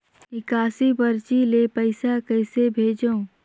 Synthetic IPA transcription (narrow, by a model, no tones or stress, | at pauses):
ɪkaːsibəɾt͡ʃilepəɪsakəɪsebʱeːd͡ʒəũ